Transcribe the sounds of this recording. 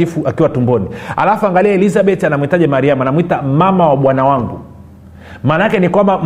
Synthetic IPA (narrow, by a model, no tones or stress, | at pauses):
ifuʔakiwatumbɔniha̰lafuaŋɡaliaɛlizaɓɛtianamuitaʄɛmaɾiamuanamwitamamawaɓwanawaŋɡṵ | maːnaakɛnikwambam